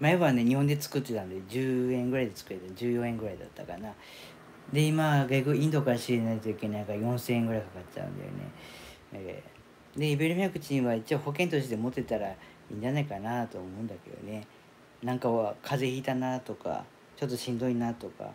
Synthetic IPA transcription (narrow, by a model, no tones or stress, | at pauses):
maeβane̞ɲ̟ihõ̞nd̪et͡sɨ̥kɯ̟t̪ːe̞t̪and̪ed͡ʑɨːẽ̞ŋɡɯ̟ɾaid̪et͡sɨ̥kɯ̟ɾet̪ad͡ʑɨːjõ̞ẽŋɡɯ̟ɾaid̪a̰t̪ːakana | d̪e̞imaɡaɡɯ̟ĩnd̪o̞kaɾɕiɾenait̪o̞ike̞naikajõ̞ɰ̃sẽŋɡɯ̟ɾaikakatt͡ɕa̰ɯ̟̰̃nd̪a̰jo̰nḛ | e | d̪e̞ibe̞ɾɯ̟mʲiakɯ̟t͡ɕiĩβait͡ɕio̞ho̞k̬ent̪o̞ɕid̪e̞mo̞t̪ːe̞t̪aɾa | ḭ̃ːɲ̟d͡ʑanaikanat̪o̞ːmo̞ɯ̟̃nd̪ake̞d̪o̞̰ne̞ | nãŋkaβakʰaze̞iːt̪anat̪o̞ka̰ | t͡ɕo̞t̪ːo̞ɕĩnd̪o̞inat̪o̞ka̰